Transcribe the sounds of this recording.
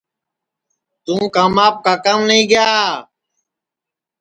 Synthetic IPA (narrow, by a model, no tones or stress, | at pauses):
t̪ũːkaːmaːp̚kaːkaːmnəĩːɡjaː